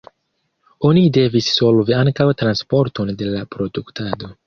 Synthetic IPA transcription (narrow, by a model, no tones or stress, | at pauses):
o̞nide̞visːo̞lviaŋkawtɾanspo̞ɾto̞nde̞lapɾo̞duktado̞